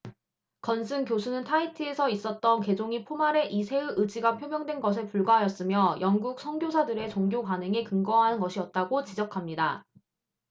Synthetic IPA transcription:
kʌnsʰɯŋkjosʰunɯntʰaitʰɯe̞sʰʌis͈ʌt̚t͈ʌnke̞d͡ʑoŋipʰomaɾe̞ʔisʰe̞ɯʔɯd͡ʑiɡapʰjomjʌŋdwe̞nɡʌs̬ʰe̞puɭɡwaɦajʌs͈ɯmjʌjʌŋɡuk̚sʰʌŋɡjosʰadɯɾe̞t͡ɕoŋɡjokanɯŋekɯŋɡʌɦanɯnɡʌɕʰiʌt̚t͈aɡot͡ɕid͡ʑʌkʰamɲida

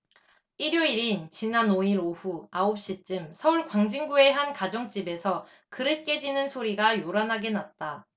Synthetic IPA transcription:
iɾjoiɾint͡ɕinanoiɾoɸuaop̚ɕ͈it͡ɕ͈ɯmsʰʌuɭkwaŋd͡ʑiŋɡue̞ɦankad͡ʑʌŋt͡ɕ͈ibe̞sʰʌ | kɯɾɯt̚k͈e̞d͡ʑinɯnsʰoɾiɡajoɾanɦaɡe̞nat̚t͈a

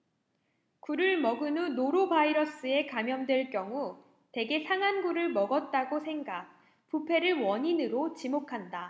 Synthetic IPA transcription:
kuɾɯɭmʌɡɯnunoɾobaiɾʌs͈ɯe̞kamjʌmdwe̞ɭkjʌŋu | te̞ɡe̞sʰaŋɦanɡuɾɯɭmʌɡʌt̚t͈aɡosʰe̞ŋɡak̚ | pupʰe̞ɾɯɭwʌɲinɯɾot͡ɕimokʰanda

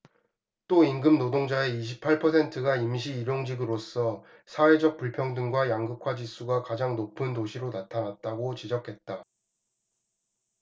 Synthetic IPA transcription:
t͈oiŋɡɯmnodoŋd͡ʑaeiɕ̬ʰipʰaɭpʰʌsʰe̞ntʰɯɡaimɕ̬ʰiːɾjoŋd͡ʑiɡɯɾos͈ʌ | sʰawe̞d͡ʑʌk̚p͈uɭpʰjʌŋdɯŋɡwajaŋɡɯkʰwad͡ʑis͈uɡakad͡ʑaŋnopʰɯntoɕʰiɾonatʰanat̚t͈aɡot͡ɕid͡ʑʌkʰe̞t̚t͈a

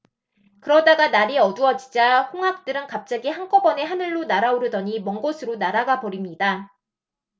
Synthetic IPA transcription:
kɯɾʌdaɡanaɾiʌduʌd͡ʑid͡ʑahoŋɦak̚t͈ɯɾɯnkap̚t͡ɕ͈aɡihaŋk͈ʌbʌne̞ɦanɯɭːonaɾaoɾɯdʌɲimʌŋɡosʰɯɾonaɾaɡapʌɾimɲida

